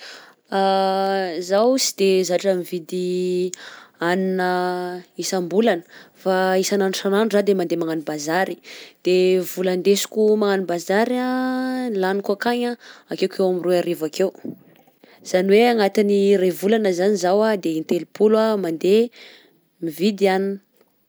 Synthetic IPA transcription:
a | zawsi̥d̪ezaʈ͡ʂəmivid̪i | aninəisambulanə̥faisananusananuzad̪emand̪emaŋanibazaɾi̥d̪̥evuland̪esu̥kʲumaŋanibazaɾa | lanikuakaɲaakewkʰewamiroaɾevakew | z̥aniweaŋat̪inirevulanəzanizawad̪eint̪elipʰulwamand̪e | mivid̪ianin

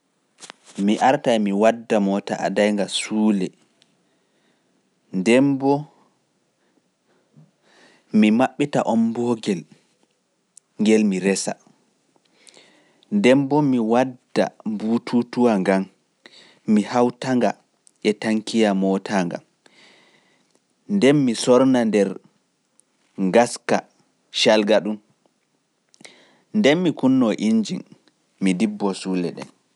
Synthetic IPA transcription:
miʔaɾtaɛmiwadːamɔta̰ʔa̰dajŋɡasuːlɛ | ndɛmbɔ | mimaɓːita̰ʔɔmbɔɡɛl | ŋɡɛlmiɾɛsa | ndɛmbɔmiwadːa̰butʰutuwaŋɡam | mihawtaŋɡa | ɛtaŋkijamɔtʰaŋɡa̰m | ndɛnmisɔɾnandɛɾ | ŋɡaska | ʃalɡaɗum | ndɛnmikunːɔʔiɲd͡ʒin | midibːɔsuːlɛ̰ɗɛ̰n

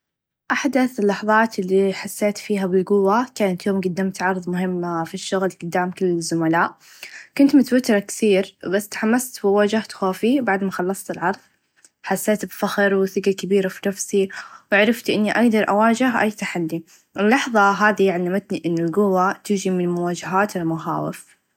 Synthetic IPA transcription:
ʔaħd̪aθɪlːɑħðˤɑːt̪ɪlːiħasːeːt̪fiːɦabɪlɡʊwːakaːnat̪joːmɡʊd̪ːaːmt̪ʕɑɾˤðˤmʊɦɪmːafiʃːʊɣlɡ̥ʊd̪ːaːmkɪlːɪzːʊmalaːʔ | kʊnt̪mʊt̪awɪt̪ɾˤɑkθiːɾbasːt̪ħamːast̪wɪwaːd͡ʒaht̪xaːfibaʕd̪maxɑlːɑsˤt̪ɪlʕɑɾˤðˤ | ħasːeːt̪bfaxɾwɪθɪɡakabiːɾafinafsiwɪʕɾˤɑft̪ʔɪnːiʔaɡd̪ɑɾˤʔa̰waːd͡ʒɪɦʔa̰jːt̪aħalːi | ʔɪlːɑħðˤɑɦaːðijaʕanamat̪niʔɪnːɪlɡʊwːat̪ɪd͡ʒimɪnmʊwaːd͡ʒaɦaːt̪ɪlmʊxa̰ːwɪ̰f

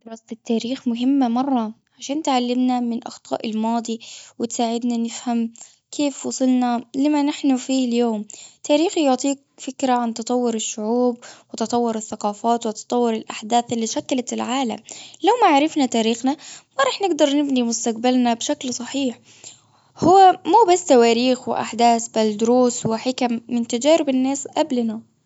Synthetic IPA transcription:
d̪ɾˤɑːst̪ɪt̪ːaːɾiːxmʊɦɪmːamɑrˤːɑ | ʕaʃaːnt̪ʕalːɪmnamɪnʔɑ̰xt̪ˤɑ̰ːʔɪlmɑːd̪ˤiwɪt̪saːʕɪd̪nanɪfham | kʰeːfwɑsˤɨlnalɪmanɪħnʊfiːljoːmt̪ʰaːɾiːxjʊʕt̪ˤiːk̚fɪkɾaʕant̪ɑt̪ˤɑwːʊɾɪʃːʊʕuːbwɪt̪ɑt̪ˤɑwːʊɾɪθːaqɑːfaːt̪wɪt̪ɑ̥t̪ˤɑwːʊɾɪlʔaħd̪aːθʔɪlːiːʃakːalat̪ɪlʕaːla̰mlawmaʕaɾˤɪfnat̪aːɾiːxnamaɾˤɑːħnɪɡd̪ɑɾˤnɪbnimʊst̪aqbalnabʃaklsˤɑħiːħ | hʊwːamuːbasːt̪awaːɾiːxwɪ̰ʔa̰ħd̪aːsbald̪ʊɾuːswɪħɪkamːɪnt̪ad͡ʒaːɾɪbɪnːaːsʔablna

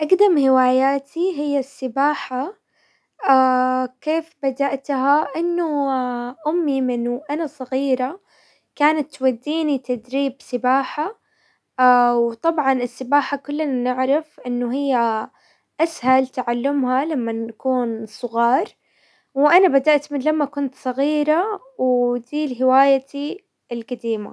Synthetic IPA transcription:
ʔaɡd̪amhɪwaːjaːt̪ʰiɦɪjːasːɪbaːħa | akeːfbad̪aʔt̪ɦaʔɪnːʊʔʊmːimɪnʔanasˤɑɣiːɾa | kaːnat̪ːwad̪ːiːnit̪ad̪ɾiːbsɪbaːħa | awt̪ˤɑbʕɑnɪsːɪbaːħakʊlːananɪʕɾˤafʔɪnːʊɦɪjːa | ʔashalt̪aʕalːʊmhalamːanakuːnsˤʊɣɑːɾˤ | wʔanabad̪aʔt̪mɪnlamːakʊnt̪sˤɑɣiːɾa | wd̪iːlɦɪwaːjat̪i | ɪlɡad̪iːma̰

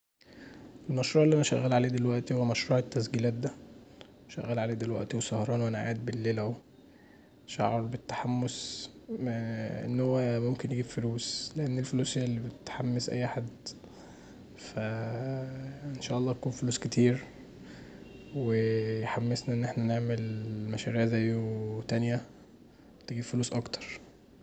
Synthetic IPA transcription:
ʔelmæʃɾˤuːʕelːʔænæʃæ̰ɣːælʕaleːd̪elwæʔt̪ihowːæmæʃɾuːʕet̪ːæsɡiːlæːt̪̚d̪æ | ʃæɣːæːlʕaleːd̪elwæ̰ʔt̪iwesɑhɑɾˤɑːnwʔænæʕa̰ːd̪̚belːelæw | ʃa̰ʕɑɾˤbet̪ːḁħamːosmʔḛnːhowːæmomkenjeɡibfoluːsleʔenːelfoluːselːibet̪ħamːesʔæ̰jːaħad̪ | fæ | ʔenʃæːʔɑlˤːɑːt̪ækuːnfoluːsket̪ʰiːɾ | wejħamːesnæʔenːʔeħnæneʕmelmæʃæɾiːʕzæjot̪ænjæ | t̪eɡiːbfoluːsʔɑkt̪ɑ̥ɾˤ

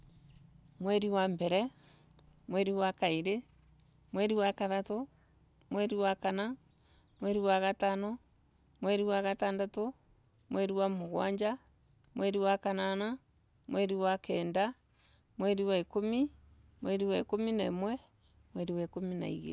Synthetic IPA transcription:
mwɛɾiwambɛɾɛ | mwɛɾiwakaiɾe | mwɛɾiwakaðato | mwɛɾiwakana | mwɛɾiwaɣatanɔ | mwɛɾiwaɣataːndato | mwɛɾiwamoɣwa̰ɲd͡ʒa | mwʔɛɾiwakanana | mwɛɾiwakɛːnda | mwɛɾiwaekomi | mwɛɾiwaekominamwɛ | mwɛɾiwakomina̰ḭɣḛ

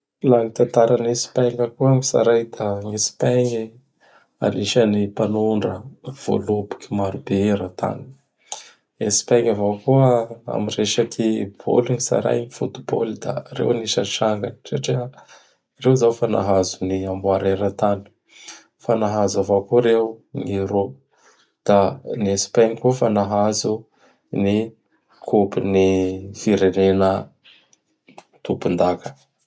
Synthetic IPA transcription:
laŋit̪ant̪aɾanesi̥paŋakuamisa̰ɾajd̪aŋesi̥paŋi | a̰niʃanipanuɳɖ͡ʐəv̥o̰lubu̥kʲimaɾubeɾət̪a̰ni̥ | esi̥paŋavakuəa̰mireʃakʰibo̰luŋisa̰ɾa̰jnifut̪ubo̰lid̪a̰rḛwaniʃanʈ͡ʂaŋɡansaʈ͡ʂi | rewzawfana̰ɦazuniambwaɾeɾət̪ani̥ | fanaɦazavakuɾewniɾo | d̪̥anespaŋikufanaɦazu | ni | kʰupinifiɾenenə | t̪upund̪akə̥

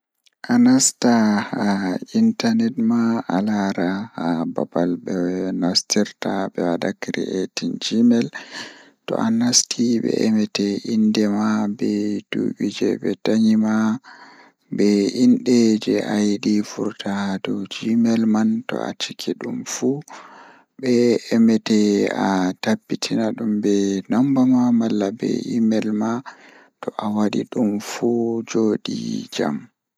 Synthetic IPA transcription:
ʔanastahaintanɛtmaalaɾahaba̰balɓɛnastiɾtabɛwadakɾḭʔetind͡ʒimɛl | tɔ̰ʔanastʰiɓɛ̰ʔɛmɛtɛʔindɛmabɛd̥ṵɓid͡ʒɛ̰ɓɛtaɲima | bɛinɗɛd͡ʒɛʔajɗifṵɾtʰadɔd͡ʒimɛlmantɔ̰a̰t͡ʃikʰiɗumfu | ɓɛɛmɛtɛatabːitʰinaɗumbɛnɔmbamamalːabɛ̰ʔimɛlma | tɔʔawaɗiɗumfud͡ʒoɗḭd͡ʒa̰m

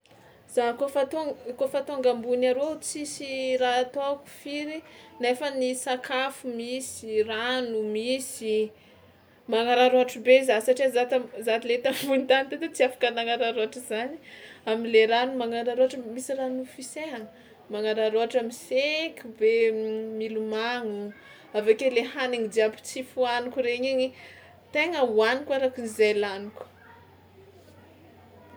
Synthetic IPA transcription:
z̥akofat̪okofat̪oŋɡambunaɾot͡sisirat̪oaku̥fiɾinefənisakʰafumisiranumisi | maŋaɾaɾoaʈ͡ʂubezasaʈ͡ʂizat̪zat̪ilet̪ambuint̪anit̪et̪et͡siafḁkənaŋaɾaɾoaʈ͡ʂəzani̥amileɾanumaŋaɾaɾoaʈ͡ʂəmisiranufiseaŋ | maŋaɾaɾoaʈ͡ʂamisekʲubemilumaŋu | avekeleɦaniŋid̪iapi̥t͡sifuanukuɾeɲeɲi | t̪eŋəwanikaɾakinizelanikə̥

